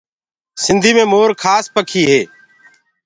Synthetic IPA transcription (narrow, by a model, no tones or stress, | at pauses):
sɪnd̪ʱiːmẽːmoːɾkʰaːspəkʰiːɦeː